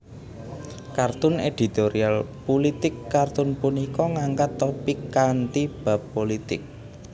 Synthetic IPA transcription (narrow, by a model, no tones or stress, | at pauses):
kart̪ʊned̪̥i̤t̪oɾialpulit̪ɪkːart̪ʊnpunikɔŋaŋkat̪ːopikant̪ib̥a̤pːolit̪ɪk̚